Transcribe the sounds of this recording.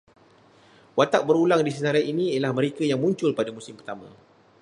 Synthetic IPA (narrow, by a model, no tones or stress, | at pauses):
wat̪aʔ̚bəɾulaŋdis̬ənaɾainĩjalahməɾekajaŋmũɲt͡ʃʊlpadamusɪmpərt̪amã̰